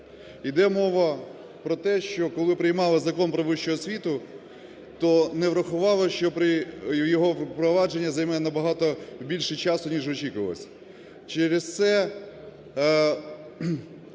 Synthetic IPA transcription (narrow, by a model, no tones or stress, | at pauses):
id̪ɛmɔʋɐ | pɾɔt̪ɛʃt͡ʃɔkɔlˠɪpɾɪjmɑlˠɪzɐkɔnpɾɔʋɪʃt͡ʃɔɦɔsʲʋʲit̪ʊ | t̪ɔnɛʋɾɐxʊʋɑlˠɔʃt͡ʃɔpɾɪjɔɦɔpɾɔʋɑd͡ʒenʲːɐzɐjmɛnɐbɐɦɑt̪ɔwbʲilʲʃɪt͡ʃɑsʊnʲiʒɔt͡ʃikʊʋɐlˠɔ̰sʲɐ̥ | t͡ʃɛɾest̪sɛ